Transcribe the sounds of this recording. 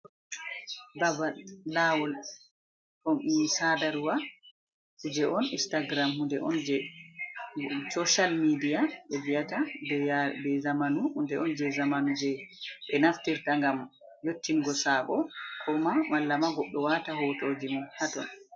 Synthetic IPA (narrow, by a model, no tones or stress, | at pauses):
babaːawɔl | ɔnisadaɾuwa | hud͡ʒɛʔɔnḭnstaɡɾamhundɛʔɔnd͡ʒɛ | sɔʃalmidijaɓɛvijata | bɛzamanuhundɛʔɔnd͡ʒɛzamanud͡ʒɛɓɛnaftiɾtaŋɡam | jotːiŋɡɔsaːɓɔkʰɔmamalːamaɡɔɗːɔwatahɔtoːd͡ʒimɔnhatɔn